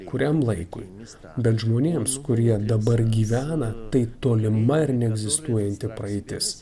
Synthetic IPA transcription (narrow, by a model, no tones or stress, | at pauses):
kʊɾʲɛmlˠɐɪkʊ̰ɪ | bʲɛt̪ʒmoːnʲeːmskʊɾʲiɛd̪ɐbɐɾɡʲiːʋʲæːnɐt̪ɐɪt̪oːlʲɪmɐɪɾnʲɛɛɡzʲɪst̪uɔjɛnʲt̪ʲɪpɾɐɛɪt̪ʲɪs